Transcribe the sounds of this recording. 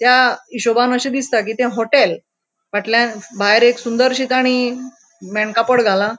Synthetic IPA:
t̪jaiɕobanəɕid̪ist̪ak̬iːt̪ẽɦoʈel | ʋaʈljãbʱaeɾeksund̪əɾɕit̪aɽ̃i | meɳkapəɽɡʱala

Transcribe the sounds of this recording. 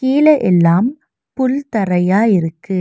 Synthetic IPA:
kiːlɐʔɛlːaːm | pʊlt̪ɐɾɐjaːjɪɾɯkːɯ

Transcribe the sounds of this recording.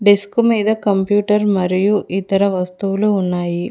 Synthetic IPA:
ɖiskumiːd̪ɐkɐmpjuːʈɐɾmɐɾijuʔit̪ɐɾɐʋɐst̪uʋulounːaːji

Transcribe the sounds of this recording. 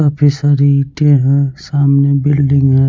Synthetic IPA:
apʰisaɾiʈẽɦɛ̃saːmnebɪlɖɪ̃ŋɡɦɛ̃

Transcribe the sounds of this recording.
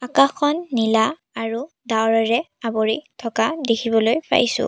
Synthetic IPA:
akaxɔnːila | aɹu | dawɹɔɹɛ | aboɹitʰɔkadekʰibɔlojpʰa̰jsʊ̰̃

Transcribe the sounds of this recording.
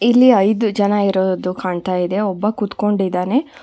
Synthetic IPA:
ilːiɐjd̪ud͡ʒɐnɐiɾoːd̪ukaːɳt̪aːjid̪e̞ɔbːɐkut̪ko̞ɳɖid̪aːne̞

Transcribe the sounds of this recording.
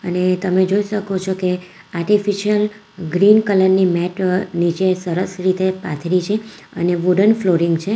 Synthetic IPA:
ənet̪əmed͡ʒoiʃəkot͡ʃʰoke | aɾʈifiʃiəl | ɡɾinkələɾnimɛʈnit͡ʃesəɾəsɾit̪epa̰t̪ʰɾit͡ʃʰeə̰neʋuɖənfloɾɪŋɡt͡ʃʰe

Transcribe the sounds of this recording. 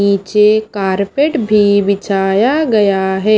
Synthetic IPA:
iːt͡ʃekaːɾpeʈbʱibɪt͡ʃaːjaɡɐjaɦɛː

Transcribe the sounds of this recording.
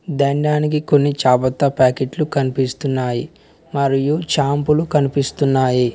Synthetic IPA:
d̪ɐɳɖaːnik̬iko̞nːit͡ʃaːpɐt̪ːɐpaːkeʈlukɐnipist̪unːaːji | mɐɾijut͡ʃaːmpulukɐnipist̪unːaːji

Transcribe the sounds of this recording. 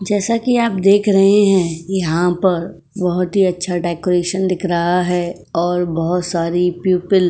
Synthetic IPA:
d͡ʒɛːsakiaːp̚d̪eːkʰɾɐɦeɦɛ̃jɐɦãpɐɾ | bɔɦʊt̪ɦiɐtːʃʰaʈɛːkʊɾeːʃənd̪ɪkʰɾɐɦaɦɛ | ɔːɾbɐɦʊt̪saːɾipjuːpɪl

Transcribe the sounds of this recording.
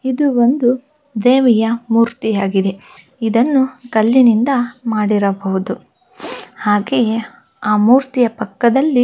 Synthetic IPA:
id̪uo̞nd̪u | d̪eːʋɛjɐmuːɾt̪ijaːɡid̪e̞ | id̪ɐnːukɐlːinind̪ɐmaːɽiɾɐbɐʋud̪u | haːɡej | aːmuːɾt̪ijɐpɐkːɐd̪ɐlːi

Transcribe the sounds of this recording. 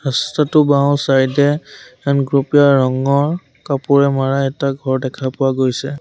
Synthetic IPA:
hastatʊbãw̃sajdɛanɡɹupijaɹɔŋɔɹ | kapʊɹɛmaɹaɛtaɡʱɔɹdɛkʰapʊwaɡojsɛ

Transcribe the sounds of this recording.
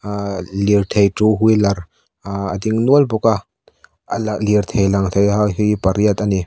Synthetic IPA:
lirt̪ʰejtuɦujlɐɾ | əd̪iŋnuəlbuka | ʔəlaliɾt̪ʰejlɐŋt̪ʰejɦawɦipɐɾiət̪̚ani

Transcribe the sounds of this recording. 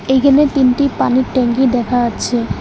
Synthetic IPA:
ejɡʰʱenet̪inʈipaniɾʈɛŋɡid̪ɛkʰaaːt͡ɕʰe

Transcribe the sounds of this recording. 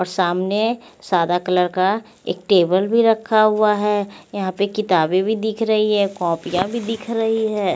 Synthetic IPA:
ɔːɾsaːmnesaːd̪akɐləɾka | ḛːk̚ʈeːbəlbʱiɾɐkʰːaɦʊaɦɛːjɐɦãpekɪt̪aːbẽbʱid̪ɪkʰɾɐɦiɦɛːkɔ̃ːpijãbʱid̪ɪkʰɾɐɦiɦɛː

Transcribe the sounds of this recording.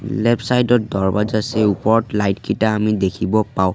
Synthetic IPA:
lɛpsajdɔt̚dɔɹbazasɛupɔɹɔtlajtkitaːmidekʰibɔpaʊ̃

